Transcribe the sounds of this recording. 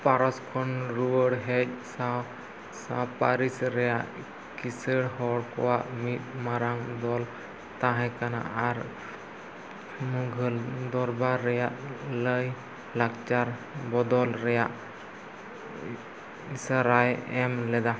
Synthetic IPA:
paɾɔskʰɔnɾuwəɽɦɛd͡ʒ̚saw | sapaɾisɾɛjaʔ | kisəɽhɔɽkɔ̰waʔmit̪̚maɾaŋd̪ɔl | t̪aɦɛ̃kana̰ʔaɾ | muɡʱəld̪ɔɾbaɾːɛjaʔləj | lak̚t͡ʃaɾbɔd̪ɔlɾɛjaʔ | isaɾajɛmlɛd̪a

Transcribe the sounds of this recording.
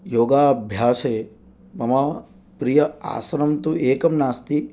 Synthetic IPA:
joːɡaːbʱjaːseː | mɐma | pɾijɐa̰ːsɐɾɐmt̪uʔeːkɐmnaːst̪i

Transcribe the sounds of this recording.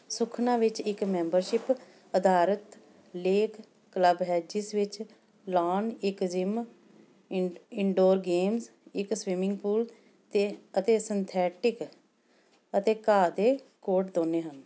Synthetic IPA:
sʊkʰnãːʋɪt͡ʃɪkmɛ̃ːmbəɾʃɪp | əd̪aːɾət̪ | leːkː | ləbɦɛːd͡ʒɪsʋɪt͡ʃ | laːnɪkd͡ʒɪm | ɪɳɖoːɾɡeːmz | ɪksʋɪmɪ̃ŋɡpuːl | t̪eət̪eːsɪnt̪ʰɛːʈɪk | ət̪eːkaːd̪eːkoːʈd̪oːneːɦən

